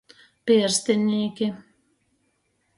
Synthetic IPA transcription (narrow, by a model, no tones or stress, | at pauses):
pʲiɾst̪ɪnʲiːkʲɪ